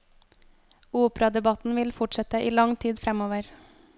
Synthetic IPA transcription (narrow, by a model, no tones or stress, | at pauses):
uːpɾɑd̪ɛbɑt̪n̩ʋɪlfʊʈʃɛt̪əʔiːlɑŋt̪ʰiːd̪fɾɛmoːʋəɾ